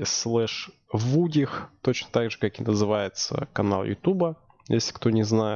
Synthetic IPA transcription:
slˠɛʂvudʲɪxt̪o̞t͡ɕnət̪aɡʐɨkakɪnəzɨvajɪt̪sə̰kɐna̰lˠjʊ̰t̪ʲubə | jesʲlʲɪ̥kt̪o̞nʲɪznajɪ

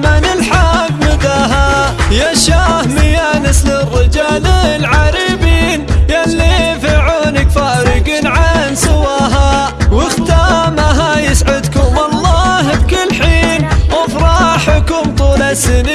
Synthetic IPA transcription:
manɪlħaɡmɪd̪aɦajaʃahmɪjanɪslɪrːɪd͡ʒaːllʕaɾibiːnjalːifiʕuːnɪkfaɾɪɡiːnʕansɪwaːɦa | wɪxt̪aːmaɦajɪsʕʊd̪kʊmɑlˤːɑːhɪb̚kɪlħiːnwafɾˤɑħʊkʊmt̪ˤuːlasɪni

